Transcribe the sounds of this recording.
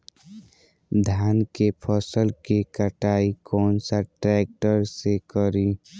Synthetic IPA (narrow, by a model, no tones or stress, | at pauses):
d̪ʱjaːnkepʰɔsəlkekəʈaːikɔːnsaʈɾɛːk̚ʈəɾsekəɾiː